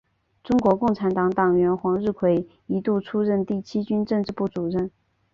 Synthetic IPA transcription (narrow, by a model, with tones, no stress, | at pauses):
ʈ͡ʂʊ˥ŋkwɔ˧˥kʊ˥˩ŋʈ͡ʂʰa˧˥nt̪ɑ˧˥ŋt̪ɑ˨˩ŋɥɛ˧˥nxwɑ˧˥ŋɻɻ̩˥˩kʰwe˧˥˩ɪ | i˧˥t̪u˥˩ʈ͡ʂʰu˥ɻə˥˧nt̪i˥˩t͡ɕʰi˥t͡ɕy˥nʈ͡ʂɤ˥˧ŋʈ͡ʂɻ̩˥˧pu˥˩t͡su˨˩ɻə˥˩n